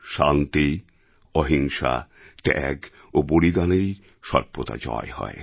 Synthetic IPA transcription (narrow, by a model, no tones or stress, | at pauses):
ʃant̪i | ɔɦiŋʃa̰ | ʈɛɡ | obolid̪anej | ʃɔɾpot̪a̰d͡ʑɔ̰ehɔ̰e